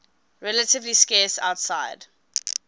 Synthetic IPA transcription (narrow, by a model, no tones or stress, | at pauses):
ɹɛlətɪvliskɛːsa̰ʊtsaɪd̥